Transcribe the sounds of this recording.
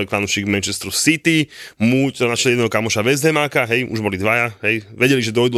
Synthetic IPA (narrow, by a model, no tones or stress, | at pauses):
ɛkfanuʃiːɡmɛnt͡ʃɛst̪ɾusit̪imutt̪ɔanaʃɛlɛɛd̪ɛːɦɔkamɔʃaʋɛzɦɛmaːkaɦɛjʔṵʒbɔlid̪ʋajaɦɛjʋɛɟɛliʒɛd̪ɔjd̪u